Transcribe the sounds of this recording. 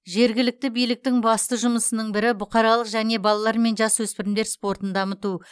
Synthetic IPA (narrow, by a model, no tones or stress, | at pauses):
ʒe̞ɾɡʲɪlɪk̚t̪ɪbijlɪk̚t̪ɪŋbɑst̪əʒʊməsənəɴbɪɾɪbʊqɑɾɑlˠəqʒæne̞bɑlˠɑlˠɑɾme̞nʒɑswɵspɪɾɪmd̪eɾspo̞ɾt̪ənd̪ɑmət̪u